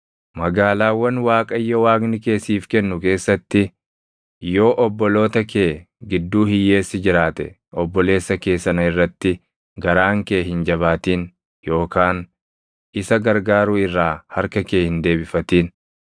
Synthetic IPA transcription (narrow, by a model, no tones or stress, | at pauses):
mɐɡaːlaːwːɐnwaːkʼɐjːɔwaːɡnɪke̞ːsiːfkɛnːʊke̞ːsːɐt̪ːɪ | jo̞ːʔɔbːɔlo̞ːt̪ɐkeː | ɡɪd̪ːuːhɪjːe̞ːsːɪd͡ʒɪɾaːt̪ɛ̰ | ɔbːɔle̞ːsːɐke̞ːsːɐnɐɪrːɐt̪ːɪ | ɡɐɾaːŋke̞ːhɪnd͡ʒɐβaːt̪iːn | jo̞ːkaːn | ɪsɐɡɐɾɡaːɾuːɪrːaːhɐɾkɐke̞ːhɪnd̪e̞ːbɪfɐt̪iːn